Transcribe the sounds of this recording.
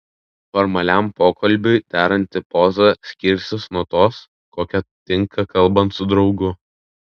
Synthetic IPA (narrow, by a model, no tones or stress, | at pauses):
fɔɾmɐlʲæˑmpoːkʰɐlʲˑbʲʊɪd̪ʲæːɾɐnʲt̪ʲɪpɔzɐsʲkʲɪɾʲsʲɪsnuɔt̪oːs | koːkʲɛt̪ʲɪŋkʰɐkɐlˠbɐnt̪sʊd̪ɾɒʊɡʊ